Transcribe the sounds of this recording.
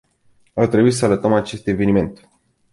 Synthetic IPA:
art̪ɾebuisəalət̪əmat͡ʃe̞st̪e̞ve̞nime̞nt̪

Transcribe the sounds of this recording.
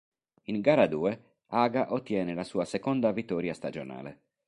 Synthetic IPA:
iŋɡaːɾad̪uːe | aːɡaʔot̪ːjɛːnelasuːasekɔnd̪avit̪ːɔːɾjast̪ad͡ʒona̰ːlḛ

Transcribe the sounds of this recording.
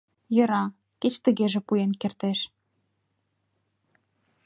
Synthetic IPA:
jɤ̆ɾɑ | ket͡ɕt̪ə̆ɣeʒĕpujenkert̪eʃ

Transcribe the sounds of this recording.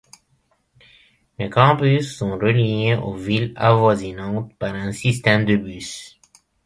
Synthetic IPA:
lekɑ̃pysːɔ̃ʁəlieʔo̰vila̰vwazinɑ̃t̪paʁɛ̃sist̪ɛmd̪əbys

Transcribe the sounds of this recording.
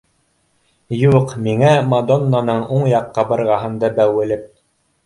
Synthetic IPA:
juqmiŋæmad̪onːanɤɴuɴjɑqːɑbɤ̆ɾʁɑɦɤ̆nd̪ɑbæwɘ̆lɘp̚

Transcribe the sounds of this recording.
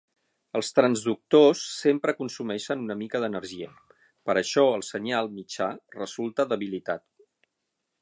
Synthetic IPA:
əlˠst̪ɾənzðuk̚t̪osːempɾəkunsumɛʃənunəmikəðənərʒiə | pəɾəʃɔəlˠsəɲalˠmit͡ʃarəzulˠt̪əðəβilit̪at̪

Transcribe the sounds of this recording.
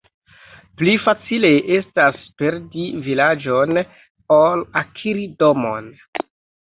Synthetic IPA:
plifat͡sile̞ʔe̞staspe̞ɾdivilad͡ʒo̞n | olakʰiɾido̞mon

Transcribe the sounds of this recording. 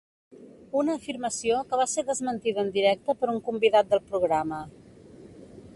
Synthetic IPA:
unəːfirməsiokəβ̞aseɾðəzmənt̪iðəːnd̪iɾɛk̚t̪əpəɾuŋkumbiðat̪̚d̪əlˠpɾuɣɾamə

